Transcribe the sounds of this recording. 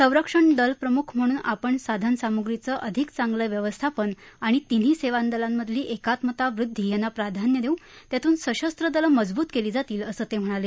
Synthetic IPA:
sə̃w̃ɾəkʂəɳd̪əlpɾəmukʰm̤əɽ̃uːnapəɳsad̪ʱənsamuɡɾit͡səʔəd̪ʱikt͡saŋɡləʋjəʋəst̪ʰapən | aɽ̃it̪in̤iːseʋand̪əlamːəd̪ʱliːʔekat̪mət̪aʋɾud̪ʱːiːjanːapɾad̪ʱanjəd̪ewt̪jat̪uːnsəɕəst̪ɾəd̪ələməd͡zbuːt̪keliːd͡zat̪iːləsəːt̪em̤əɽ̃ale

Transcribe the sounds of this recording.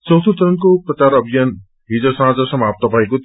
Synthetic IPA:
t͡sʌwt̪ʰut̪ʌɾʌnkoprʌkaɾʌbʱijʌn | ɦid͡zʌsʌɦãd͡zʌsʌmap̚t̪ʌbʱʌeko

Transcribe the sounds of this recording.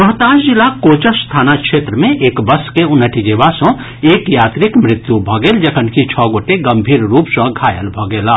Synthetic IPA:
məɦt̪aːʃd͡ʒɪlakoːt͡ʃəst̪ʰaːnakʃeːt̪ɾəmẽʔeːkbɐskeʊnːəʈʰid͡ʒeːʋasɔ̃ | eːkjaːt̪ɾɪkmɾɪt̪jubʱɔɡeːld͡ʒɐkʰənkit͡ʃʰɔːɡoːʈeɡɐ̃mbʱiːɾɾuːpsə̃ɡʱaːjə̰lbʱɔːɡeːlaː

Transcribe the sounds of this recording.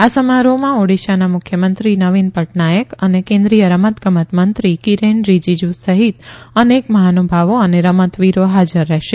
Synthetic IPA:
asəmaɾomãoɽiʃanamʊkʰjəmə̃nt̪ɾinəʋinpəʈnajəkənekẽnd̪ɾijəɾəmət̪ɡəmət̪mənt̪ɾikiɾenɾid͡ʒid͡ʒusəɦit̪ənekməɦanubʱaʋoəneɾəmət̪ʋiɾoɦad͡ʒəɾːɛɦʃe

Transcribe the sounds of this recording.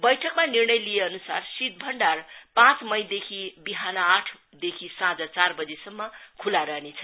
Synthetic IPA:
bʌjʈʰʌkmanirnʌjlijeʌnusa̰rsit̪̚bʱʌɳɖarpãt͡smʌjd̪ekʰibiɦanʌaʈʰ | d̪ekʰisãd͡zʌt͡sarbʌd͡zesʌmːʌkʰulaɾʌɦnet͡sʰʌ

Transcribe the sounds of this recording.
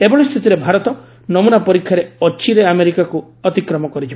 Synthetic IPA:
ebɔɭɔst̪ʰit̪iɾebʱaɾɔt̪ɔ | nɔmunapɔɾikʰjaɾeɔt͡ʃiɾeameɾikaku | ɔt̪ikɾɔmɔkɔɾit͡ʃʰib

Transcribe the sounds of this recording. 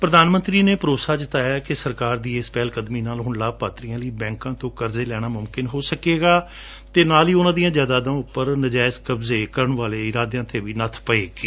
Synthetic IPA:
pɾəd̪aːnmə̃nt̪ɾiːneːpəɾoːsaːd͡ʒɪt̪aːjaːkɪsəɾkaːɾd̪iːɪspɛːlkəd̪miːnaːlɦʊɳlaːb̚paːt̪ɾijãːləiːbɛ̃ːŋkãːt̪õːkəɾzeːlɛːɽ̃aːmʊmkɪnɦoːsəkeːɡaː | t̪eːnaːliːʊnãːd̪ijãːd͡ʒaːd̪aːd̪ãːʊpːəɾnəd͡ʒaːɪskəbzeːkəɾəɳʋaːleːɪɾaːd̪ejãːt̪ʰeːʋiːnət̪ʰpəeːɡi

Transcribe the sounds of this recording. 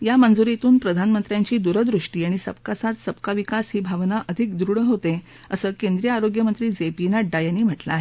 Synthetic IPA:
jamənd͡zuɾet̪uːnpɾəd̪ʱanmənt̪ɾjaɲt͡ɕiːd̪uɾəd̪ɾuʂʈiːaɽ̃isə̰p̚kasat̪səpkaʋikasɦiːbʱaʋnaʔəd̪ʱikd̪ɾuɽəɦot̪e | əsəːkend̪ɾijəaɾoɡjəmənt̪ɾiːd͡zepinaɖajaniːm̤əʈla̰ːɦe

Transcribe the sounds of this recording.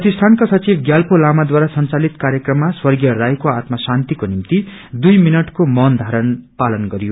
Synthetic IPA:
prʌt̪ist̪ʰankasʌt͡sibɡjalpʰolamad̪waɾasʌnt͡salit̪kaɾjekrʌmːaswʌrɡijʌrajkoat̪mʌsant̪ikonimt̪id̪ujminʌʈkomʌnd̪ʱaɾʌnpalʌnɡʌɾijo

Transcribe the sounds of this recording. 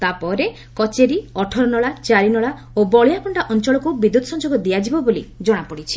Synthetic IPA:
t̪apɔɾe | kɔt͡ʃeɾiɔʈʰɔɾɔnɔɭat͡ʃaɾinɔɭa | obɔɭijapɔɳɖaʔɔnt͡ʃɔɭɔkubid̪ut̪ɔsɔnd͡ʒoɡɔd̪iad͡ʒibɔbolḭd͡ʒɔɽ̃apɔɽit͡ʃʰi̥

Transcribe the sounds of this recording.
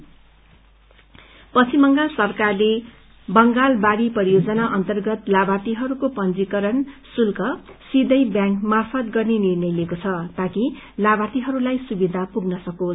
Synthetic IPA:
pʌt͡sʰimʌŋɡalsʌrkarle | bʌŋɡalbaɽipʌɾijod͡zʌnaʔʌnt̪ʌrɡʌt̪labat̪iɦʌɾukopʌnd͡zikʌɾʌnsulkʌsid̪ʱʌjbjãŋkmarfʌt̪ɡʌrnenirnʌjlekot͡sʰʌt̪akilabat̪iɦʌɾulajsubid̪ʱapuɡnʌsʌko

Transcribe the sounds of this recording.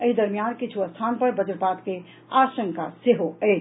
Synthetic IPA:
əɦid̪əɾmijankit͡ʃʰuəst̪ʰanpəɾbəd͡ʒəɾpat̪ke | asə̃ŋka̰seɦoɛɪt͡ʃ

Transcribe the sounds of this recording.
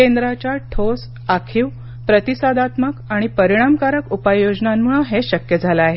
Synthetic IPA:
end̪ɾat͡ɕaʈʰos | akʰiːw | pɾət̪isad̪at̪məkaɽ̃ipəɾiɽ̃amkaɾəkupajːod͡znanmuɭəɦeɕəkjəd͡zʱalaaɦe

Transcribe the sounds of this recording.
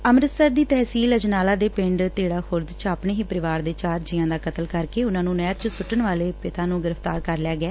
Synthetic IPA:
əmɾət̪səɾd̪iːt̪ɛːsiːləd͡ʒnaːlaːd̪eːpɪ̃ɳɖt̪eːɽaːxʰʊɾd̪t͡ʃaːpɳeːɦiːpəɾɪʋaːɾd̪eːt͡ʃaːɾd͡ʒiãːd̪aːkət̪əlkəɾkeːʊnãːnũːnɛːɾt͡ʃsʊʈːənʋaːleːpɪt̪ãːnũːɡɪɾəft̪a̰ːɾkəɾlɪaːɡɛː

